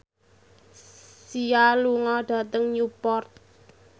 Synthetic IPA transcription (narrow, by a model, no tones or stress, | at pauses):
sialuŋɔɖ̥ä̤t̪əŋjupɔrt̪̚